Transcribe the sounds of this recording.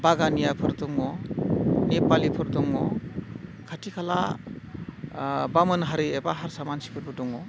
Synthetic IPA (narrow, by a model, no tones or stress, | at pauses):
baɡanijapʰɯɾdɔŋɔ | nepalipʰɯɾdɔŋɔ | kʰatʰikʰala̰ | bamɯnɦaɾiebaɦaɾsamansi̥pʰɯɾbɯdɔŋɔ